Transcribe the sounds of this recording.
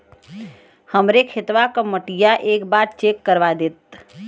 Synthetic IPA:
həmɾekʰet̪ʋakəməʈijaʔeːkbaɾ̚t͡ʃekːəɾʋad̪et̪̚

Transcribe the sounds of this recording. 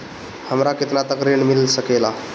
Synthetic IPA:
həmɾaket̪nat̪əkɾiɳmilsəkela

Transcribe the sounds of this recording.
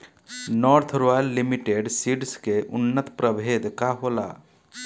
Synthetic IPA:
nɔːɾt̪ʰɾajlːimiʈeːɖsiɖskeʔʊnːət̪pɾəbʱeːd̪kaɦoːla̰ː

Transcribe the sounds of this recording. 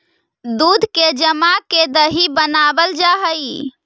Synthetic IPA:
d̪ud̪ʱked͡ʒəmaked̪əɦibənabəld͡ʒaɦəj

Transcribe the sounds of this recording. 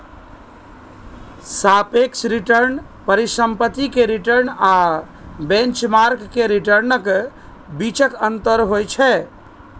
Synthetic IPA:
sapeksʰɾiʈəɾn | pəɾisəmpət̪ːikeɾiʈəɾna | bẽnt͡ʃmaɾkːeɾiʈəɾnək | bit͡ʃəkənt̪əɾɦojt͡ʃʰɛ

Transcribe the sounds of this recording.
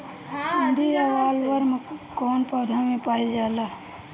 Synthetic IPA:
sənd̪ʱiawaːlʋəɾmkɔːnpaːd̪ʱamẽpaːid͡ʒaːla

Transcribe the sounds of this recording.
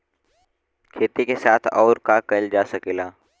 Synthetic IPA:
kʰeːt̪ikesaːt̪ʰɔːɾkakəld͡ʒasəkeːlaː

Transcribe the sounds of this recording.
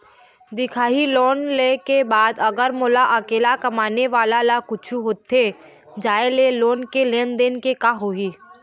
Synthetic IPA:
d̪ɪkʰaːiloːnlekebaːd̪ɐɡəɾmoːlaʔɐkeːlakɐmaːneʋaːlalakʊt͡ʃʰuɦoːt̪ʰe | d͡ʒaːeleloːnkelẽːnd̪enkekaɦoiː

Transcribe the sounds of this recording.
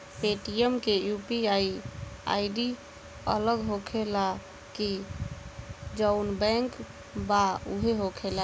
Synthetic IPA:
peʈiemkejupiaia̰iɖi | ə̰ləɡɦokʰela | ki | d͡ʒəʊnbɛ̃ŋk | baṵɦeɦokʰela

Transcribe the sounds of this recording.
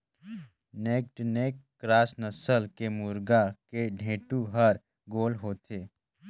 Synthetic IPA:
neːkʈneːkːɾaːsnəsəlkemuɾɡakeɖʱẽːʈuɦəɾ | ɡoːlɦoːt̪ʰeː

